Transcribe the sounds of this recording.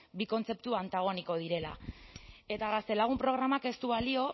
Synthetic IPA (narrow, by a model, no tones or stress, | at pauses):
biko̞nt͡se̞pt̪uant̪aɣ̞o̞niko̞ð̞iɾe̞la̰ | e̞t̪aɣast̪e̞laɣ̞umpɾo̞ɣ̞ɾamake̞st̪uβalio̞